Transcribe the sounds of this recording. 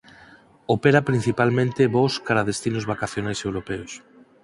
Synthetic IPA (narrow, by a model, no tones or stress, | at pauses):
opeɾapɾin̟θipalmẽnt̪eβoskaɾaðest̪inozβakaθjonajsewɾopɛos